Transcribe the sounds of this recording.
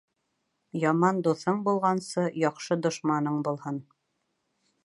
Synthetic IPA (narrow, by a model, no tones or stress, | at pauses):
jɑmɑnd̪uθɤɴbulˠʁɑnsɤjɑqʃɤd̪ŏʃmɑnɤɴbulˠhɤn